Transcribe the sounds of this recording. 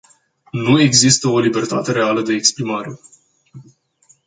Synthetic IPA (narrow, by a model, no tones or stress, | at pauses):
nue̞ɡzist̪əo̞libe̞rt̪at̪e̞ɾe̞aləd̪e̞ːkspɾimaɾe̞